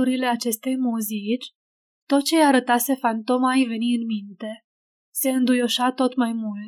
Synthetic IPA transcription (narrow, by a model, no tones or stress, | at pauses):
uɾile̞at͡ʃe̞st̪e̞jmuzit͡ʃʲ | t̪o̞t̪̚t͡ʃe̞jaɾət̪ase̞fant̪o̞maejve̞niɨnmint̪e̞ | se̞ɨnd̪ujo̞ʃat̪o̞t̪majmult̪